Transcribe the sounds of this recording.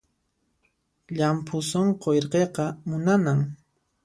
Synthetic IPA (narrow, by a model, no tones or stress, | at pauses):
ʎampʰʊsoɴqojɾqeqɑmʊnanaŋ